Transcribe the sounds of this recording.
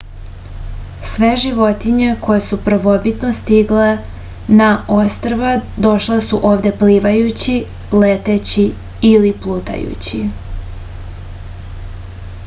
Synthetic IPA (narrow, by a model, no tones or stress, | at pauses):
sʋeʒiʋo̞t̪iɲekʰo̞jesupɾr̩ʋo̞bit̪nost̪iɡle | naʔo̞st̪ɾʋad̪o̞ʃlesuʔo̞ːʋd̪e̞pliːʋajut͡ɕi | let̪et͡ɕi | iliplˠut̪a̰jṵt͡ɕi